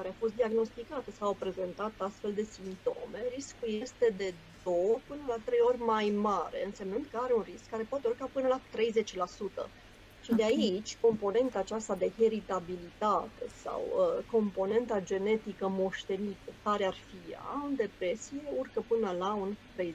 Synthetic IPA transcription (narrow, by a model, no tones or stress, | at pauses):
kaɾeafo̞st̪̚d̪iaɡno̞st̪ikat̪əsawapɾe̞ze̞nt̪at̪ast̪fe̞ld̪e̞simt̪o̞̰me̞ɾiskuje̞st̪e̞d̪e̞ | d̪o̞wəpɨnəlat̪ɾe̞jo̞rʲmajmaɾe̞̰ɨnse̞mnɨnd̪̚kəaɾe̞unriskːaɾe̞poat̪e̞urkapɨnəlat̪ɾe̞jze̞t͡ʃlasut̪ə̰ | ʃid̪eait͡ʃʲko̞mpo̞ne̞nt̪aːt͡ʃast̪ad̪e̞eɾit̪abilit̪at̪e̞̰sa̰wəko̞mpo̞ne̞nt̪ad͡ʒe̞ne̞t̪ikəmo̞ʃt̪e̞nit̪əkaɾearfia̰und̪e̞pɾe̞sije̞urkəpɨnəlaunt̪ɾej